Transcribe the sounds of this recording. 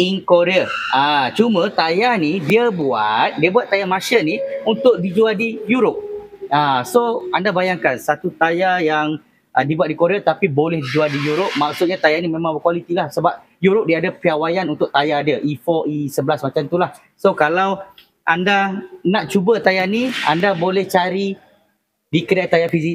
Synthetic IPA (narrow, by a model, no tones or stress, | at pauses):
iŋkoɾeaat͡ʃumə̃t̪ajanidiəbua̰t̪̚diəbuat̪ːajamaʃəniunt̪ʊk̚did͡ʒualdijuɾʊp̚asoandabajaŋkansat̪ut̪ajajaŋ | ʔədibuat̪̚dikoɾeat̪apibolɛhdid͡ʒualdijuɾop̚maksʊt̪̚ɲat̪ajanimẽmãŋbəkwalit̪ilahsəbap̚ | juɾʊp̚diadəpiawajanunt̪ʊʔ̚t̪ajaːdəʔifɔʔisəbəlasmat͡ʃamt̪ulah | sokalaw | ʔandanaʔt͡ʃubət̪ajania̰ndabolɛht͡ʃaɾi | dikədajt̪ajafizi